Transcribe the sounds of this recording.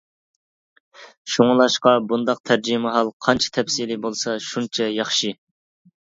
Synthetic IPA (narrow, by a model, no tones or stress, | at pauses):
ʃuŋɨlˠɑʃqɑbund̪ɑq̚t̪ʰæɾd͡ʒimɪɦɑlˠqʰɑnt͡ʃʰɛ̥t̪ʰɛpsilɪbolˠsɑʃunt͡ʃʰɛjɑχʃi